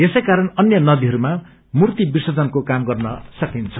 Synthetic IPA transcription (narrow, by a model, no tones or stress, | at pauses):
esʌjkaɾʌnʌnjʌnʌd̪iɦʌɾuma | murt̪ibisʌd͡zʌnkokamɡʌrnʌsʌkint͡sʰʌ̥